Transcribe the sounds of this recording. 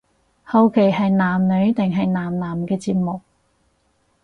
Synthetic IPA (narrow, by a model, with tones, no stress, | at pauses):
hɐ˨˧wkʰe˨˩jhɐ˨jnaː˨˩mnɵ˨˥ɥt̪ɪ˨ŋɦɐ˨jnaː˨˩mnaː˨˩mkɛː˧t͡siː˧p̚mʊ˨k̚